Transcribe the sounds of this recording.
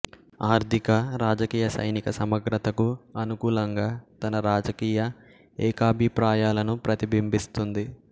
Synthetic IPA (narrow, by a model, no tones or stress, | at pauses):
aːɾd̪ʱikɐɾaːd͡ʒɐkiːjɐsɐ̰jnikɐsɐmɐɡɾɐt̪ɐkuɐnukuːlɐŋɡaːt̪ɐnɐɾaːd͡ʒɐkiːjɐ | ɛːkaːbʱipɾaːjaːlɐnupɾɐt̪ibimbist̪und̪i